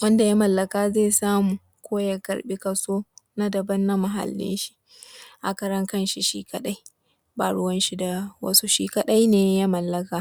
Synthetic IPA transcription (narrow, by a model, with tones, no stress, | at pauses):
wɐ˦nda˨ja˦mɐ˨lːɐ˨kaː˦zeː˦˨saː˦muː˨ | kʷoː˦ja˦kɐ̰˨ɽɓi˦kɐ˨soː˦na˦dɐ˨bɐ˦nːa˦mɐ˨ɦa̰˨lːɪ̰˦nʃi̥˦ | ʔa̰˨kɐ˦ɾɐ˦ŋkɐ˦nʃi˨ʃiː˦kʰɐ˦ɗa˦j | ba̰˨ɽʊ˦wɐ˦nʃi˦da˨wɐ̰˦su˦ʃiː˦kɐ˦ɗa˦jneː˨ja˦mɐ˨lːɐ˦kaː˦